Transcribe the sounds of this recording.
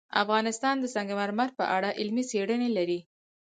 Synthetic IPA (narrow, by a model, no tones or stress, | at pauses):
a̰fɣɑnɪst̪ɑnd̪əsɑŋɡamaɾmaɾpə̰ʔaɽaʔɪlmiseɽənelaɾi